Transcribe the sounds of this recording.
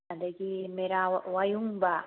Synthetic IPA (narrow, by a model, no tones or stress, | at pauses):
ad̪ekimeɾawajuŋba